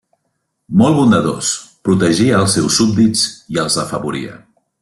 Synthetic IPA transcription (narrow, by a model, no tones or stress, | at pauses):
mɔlˠβund̪əðo̰spɾut̪əʒiəːlˠsɛwsːub̚d̪iziəlˠzðəfəβuɾiə̰